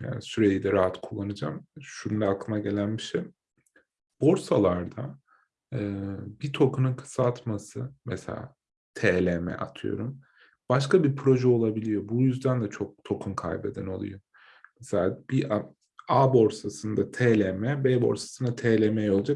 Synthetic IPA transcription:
ja̰ːnisyɾejid̪ɛɾaɦat̪kʰulˠːanɯd͡ʒa̰mʃunumlʲɛaklˠɯnaɟe̞lʲænbiʃej | b̥o̞ɾsalˠaɾd̪aː | bit̪ʰo̞kununkʰɯ̥sat̪masɯmḛsḛlʲa̰ː | t̪ʰeːlʲemɛ̰ʔa̰t̪ʰɯjo̞̰ɾum | b̥aʃkabipʰɾo̞ʒɛo̞lˠabilʲijo̞bujyzd̪ænd̪ɛt͡ʃʰo̞k̚t̪ʰo̞kʰumkʰa̰jbe̞d̪æno̞lˠṵjo | meselʲaːbiʔa | abo̞ɾsasɯnd̪at̪ʰeːlʲemɛbeːbo̞̰ɾsḁsɯnat̪ʰeːlʲemejo̞lˠad͡ʒak

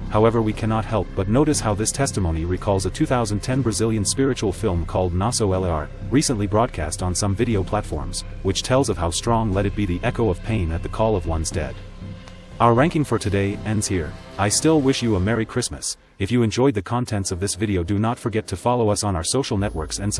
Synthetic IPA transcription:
haʊɛvə˞wikʰænɑt̚hɛlˠp̚b̥ʌtⁿnoʊɾɨshaʊðɪstʰɛstəmõʊ̃niɹikʰɔlˠzətʰʉθaʊzɨ̃n̩tʰɛ̃nbɹɨzɪlˠjɨ̃nspɪɹɨt͡ʃul̩ˠfɪlˠmkʰɔlˠdⁿnɑsoʊɛlˠɑ̰ɹ | ɹisɨ̃nʔlibɹɔd̚kʰæ̰stn̩sʌ̃ɱvɪɾioʊpʰl̥ætfɔ̰ɹmz̥wɨt͡ʃtʰɛlˠzʌv̥haʊstɹ̥ɔ̃ŋlɛɾɨt̚b̥iðiʔɛkoʊʌv̥pʰẽɪ̃nɨt̪̚ðɨkʰɔlˠʌvwʌ̃nzdɛ̰d̥ | aʊə˞ɹæ̃ŋkɪ̃ŋfə˞tʰɨdeɪɛ̃ndz̥hiɹ | aɪstɪlˠwɪʃjɨəmɛɹikʰɹ̥ɪsmɨ̰s | ɨfjɨɨ̃nd͡ʒɔɪd̪̚ðɨkʰɑ̃ntʰɛ̃ntsʌvðɪsvɪɾioʊdɨnətfə˞ɡɛtʰɨfɑlˠoʊʌsn̩aʊə˞soʊʃl̩ˠnɛʔ̚wɜ˞ksɨ̃ns

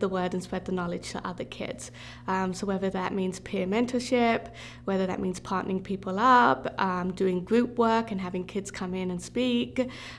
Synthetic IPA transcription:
ðəwɜ˞dɨ̃n̩spɹ̥ɛd̪̚ðənɑlˠɪ̥ʒ̥tʰə̰ʔʌ̰ðəkʰɪ̰dz̥ | ʌ̃soʊwɛðəðəʔ̚mĩnz̥pʰɛɹmɛ̃ntʰəʃɪp | wɛðəðə̰ʔ̚mĩnz̥pʰɑɹˑʔnə̰ɹɪ̃ŋpʰiˑpʰəlˠʌpʌ̃dʉɪ̃ŋɡɹʉˑp̚ʰwɜ˞kɨ̃nɦævɪ̃ŋkʰɪdz̥kʰʌ̃mɪ̃nə̃nspiˑk

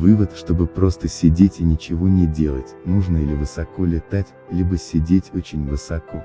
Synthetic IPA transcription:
vɨvət̪ʂt̪o̞bɨpɾo̞st̪əsʲɪdʲetʲɪnʲɪt͡ɕɪvo̞nʲɪdʲe̞lˠətʲnuʐnəilʲɪvɨsɐko̞lʲɪt̪atʲ | lʲibəsʲɪdʲetʲot͡ɕɪnʲvɨsɐko̞

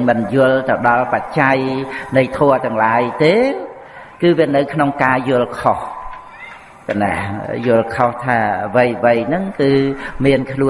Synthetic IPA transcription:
mɨnjʊəlt̪əwɗɑlpat͡ɕajnɨjt̪ʰɔət̪ɛ̆əŋlaːjt̪eː | kɨːʋiənɨwkʰnoŋkaːjʊ̆əlkʰoh | kana̰hjʊ̆əlkʰoht̪ʰaːʋəjʋəjnɨŋkɨːmiənkʰluə

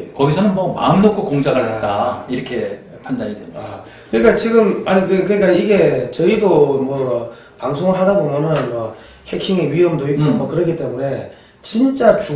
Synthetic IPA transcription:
kʌɡisʰʌnɯnmʌma̰ɯmnokʰokoŋd͡ʑaɡɯɭɦett͈aiɾʌkʰe̞ | pʰandaɲidea | kɯɲik͈at͡ɕiɡɯmaɲikɯkɯɲik͈aiɡe̞t͡ɕʌidomwʌ | paŋsʰoŋɯɭɦadabomjʌnɯnmwʌ | he̞kʰiŋeɥiʌmdoikk͈omʌkɯɾʌk̬ʰit͈e̞mune̞ | t͡ɕint͡ɕ͈at͡ɕu

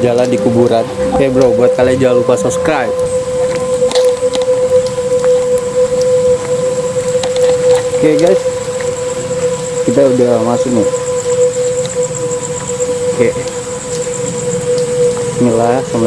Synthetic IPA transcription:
d͡ʒaladikubuɾat̪̚kaabɾobuat̪̚kalad͡ʒalupasɔpskɾajp̚ | kɛɡajs | kit̪audamasʊk̚nɪ | kɛ | nilasaml

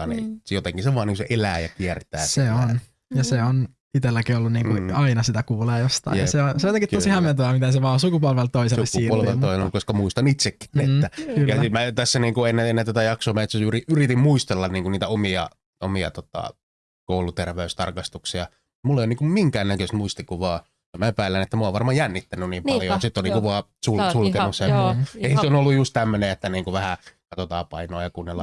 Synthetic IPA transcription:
ɑnḭjot̪eŋkiseʋɑːniːŋkuseʔelæːjɑ̰kiært̪æ̰ːseon | jɑseon | it̪elːækiolːunniːŋkuɑinɑsit̪ækuːleːjost̪ɑ̰iseonseojet̪eŋkit̪osihæment̪oæmit̪æseʋɑːsukupolʋelt̪oisesusuiːolʋeloisenolkoskɑmuist̪ɑnit̪sekːi̥netːækyljɑːmæt̪æsːæniːŋkuenːeenːet̪æt̪æjɑksoːmæet̪seyriʔyrit̪immuist̪elːɑnniːŋkunniːt̪æomiɑ̰ | o̰miɑ̰t̪ot̪ɑ̰ | koulut̪erʋeyst̪ɑrkɑst̪uksiɑ | mulːeˑijoniːŋkummiŋkæːnnækøst̪muist̪ikːuʋɑː | ɑmæepæːlːænet̪ːæmuɑˑoʋʋɑrmɑjænːit̪ːænyniːmpɑljosit̪ːonikuʋɑːsulsulkenːussemːeiseonolːujjust̪t̪æmːøneet̪ːæniːŋkuʋæhækɑt̪ot̪ɑːpɑ̰inoɑjɑkunːelːɑ

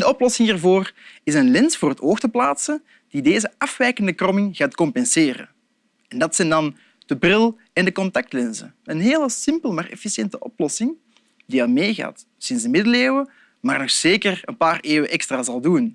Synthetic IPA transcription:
dəɔplɔsɪŋiːrvoːrɪsənlɛnsvoːɾətoːxtəplaːtsə | d̥ideːzəɑfʋɛjkəndəkrɔmɪŋɣaːtkɔmpɛnseːɾə̰ | ɛndɑtsɛjndɑn | d̥əbrɪlˠ | ɛndəkɔntɑk̚tlɛnsə̰ | ənɦeːləsɪmpəlˠmaːrɛ̰fisjɛntəʔɔplɔsɪŋ | diɑlmeːɣa̰ːt | sɪnszdəmɪdəleːwə | maːrnɔxz̥eːkərənpaːreːwəʔɛkstraːzɑlˠdun

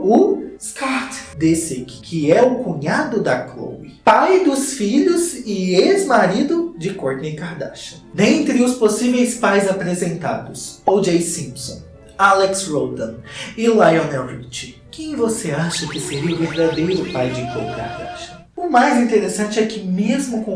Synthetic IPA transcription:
ʊskaɾt̪d̪esɪkɪ̥kʰɪɛʊkũɲad̪ʊd̪ɐklo̰wipajd̪ʊsfiʎʊzɪezmaɾid̪ʊd͡ʒɪkoɾt̪nekaɾd̪a̰ʃɐ̥nẽẽnt̪ɾɪʊsposivejspajzapɾezẽnt̪a̰d̪ʊsowd͡ʒejsĩpsõ̰ | alɛksɾowd̪ɐ̃nɪlajõnɛwvit͡ʃɪ̥kẽj̃voseaʃɐkɪseɾiʊveɾd̪ad̪ejɾʊpajd͡ʒɪklo̰wika̰ɾd̪a̰ʃɐ | ʊmajzĩnt̪eɾesɐ̃nt͡ʃɪɛkɪmezmʊkõ

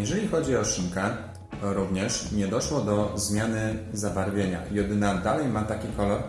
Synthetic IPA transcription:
jɛʐɛlʲixɔd͡ʑiɔʂiŋka | ɾuvɲɛʂɲɛd̪ɔʂwɔd̪ɔzmʲjanɘzavaɾvʲjeɲa̰jɔd̪ɘnad̪alɛjmat̪akʲikɔlɔɾ

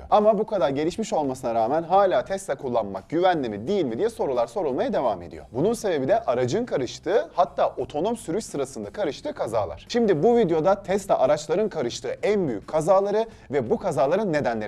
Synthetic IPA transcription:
o̰amabukʰad̪aɾɟe̞lʲiʃmiʃo̞lˠmasɯnaɾaːmænɦaːlʲaːt̪ʰɛst̪ʲɛkʰulˠːanma̰k̚ɟ̥yvænlʲimid̪ijilʲmid̪ijɛso̞ɾulˠaɾso̞ɾulˠmajad̪e̞vame̞d̪ḭjo̞̰bununse̞be̞bid̪ɛʔaɾad͡ʒɯnkʰaɾɯʃt̪ʰɯːhat̪ʰːaːʔo̞t̪ʰo̞no̞msyɾyt͡ʃsɯɾasɯnd̪akʰaɾɯʃt̪ɯːkʰaza̰ːlˠa̰ɾ̥ʃimd̪ibuvid̪jo̞d̪at̪ʰɛst̪ʲɛʔaɾat͡ʃlˠaɾɯnkʰaɾɯʃt̪ʰɯːʔænbyjyckʰːazaːlˠaɾɯ | vɛbukʰazaːlˠaɾɯnːe̞d̪ænlʲeɾ

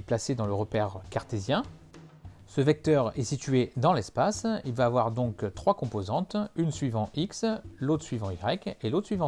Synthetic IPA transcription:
plased̪ɑ̃ləʁəpɛʁkaʁt̪ezjɛ̃ | səvɛk̚t̪œʁɛsit̪ɥed̪ɑ̃lɛspasilvaːvwaʁd̪ɔ̃kt̪χwakɔ̃pozɑ̃t̪ynsɥivɑ̃ʔikslot̪χsɥivɑ̃iɡʁɛkelot̪χsɥivɑ̃

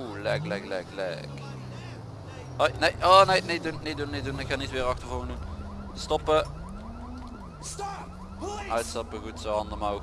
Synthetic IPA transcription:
lɛ̰klɛklɛɡlɛ̰k | ojnejʔoːnejnedunnedunnedunɪkxanitʋɪːʁɑxtəvoŋnduŋ | stɔpə | œtsɑpəɣutsoɑndəmao

